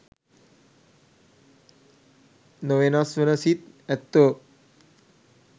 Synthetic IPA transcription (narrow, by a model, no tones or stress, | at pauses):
noʋenasʋənəsit̪̚ɛt̪ːə